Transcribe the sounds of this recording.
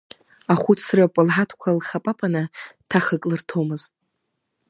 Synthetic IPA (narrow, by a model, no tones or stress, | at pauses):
aχʷut͡sʰrapʼɨlħatʰkʷʰalχapʼapʼanɨtʰaχəkʼlɨrtʰomɨztʼ